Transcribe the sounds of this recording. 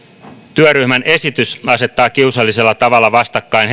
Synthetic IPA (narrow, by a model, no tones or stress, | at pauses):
t̪yøryhmænʔe̞sit̪ysɑse̞t̪ːɑːkiusɑlːise̞lːɑt̪ɑʋɑlːɑʋɑst̪ɑkːɑin